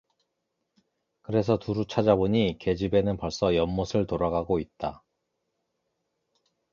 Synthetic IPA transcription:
kɯɾe̞s̬ʰʌtuɾut͡ɕʰad͡ʑaboɲike̞d͡ʑibe̞nɯnpʌɭs͈ʌjʌmmosʰɯɭtoɾaɡaɡoit̚t͈a

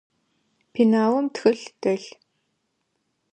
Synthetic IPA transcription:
pʰinawʊmt̪ʰxɵ̆ɮt̪œɮ

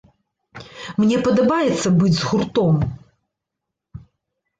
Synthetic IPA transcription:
mnʲɛpɐd̪ɐbajɛt̪sːɐbɨd͡zʲzɣurt̪ɔm

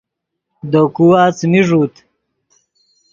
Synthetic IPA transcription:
d̪okuaːt͡smiʐuːt̪

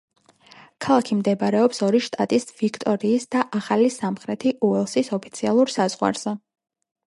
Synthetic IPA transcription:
kʰalˠakʰimd̪ɛbaɾɛɔpsɔɾiʃt̪ʼat̪ʼisvikʰt̪ʼɔɾiːsd̪aʔaχalisamχɾɛt̪ʰiʔuɛlˠsisɔpʰi̥t̪sʰialˠuɾsaz̥ʁwa̰ɾz̥ɛ

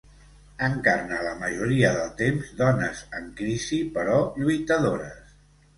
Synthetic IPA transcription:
əŋkarnələməʒuɾiəðəlˠt̪emzd̪ɔnəzəŋkɾizipəɾɔʎujt̪əðoɾəs

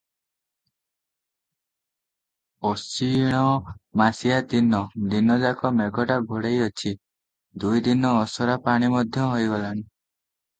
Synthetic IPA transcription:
ɔsiɽ̃ɔmasijat̪inɔd̪inɔd͡ʒakɔmeɡɔʈaɡʱɔɽejɔt͡ʃʰi | d̪ujd̪inɔːsɔɾapaɽ̃imɔd̪ʱjɔɦojɡɔlañi

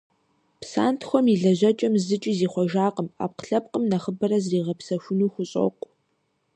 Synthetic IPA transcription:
psa̰ːntʰxʷɔmiɮɐʑɐt͡ʃʼɐmzɨt͡ʃʼiziːχʷɔʒaːqʼəma̰ːp̚qə̥ɬɐp̚qʼəmnɐχəbɐɾɐzriːʁɐpsɐʃʷʊnuːxʷʊɕʼɐ̰qʷʼ

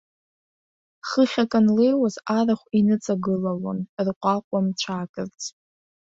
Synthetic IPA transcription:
χəχʲakʼanle̞jwazaraχʷinɨt͡sʼaɡɨlalo̰nrqʷʼaqʷʼamt͡ʃʷʰaːkʼɨrt͡sʼ

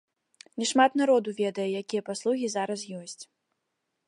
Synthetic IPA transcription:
nʲɛʂmat̪naɾɔd̪uvʲɛd̪ɐjɛjakʲijɐpaslˠuɣʲizaɾɐsjɔsʲt͡sʲ

